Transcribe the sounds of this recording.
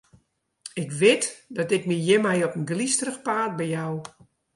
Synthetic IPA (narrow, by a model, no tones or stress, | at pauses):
ɪkʋɪtdɔtɪk̚mijɪmajɔpənɡlistrəxpaːt̚bɛjjaw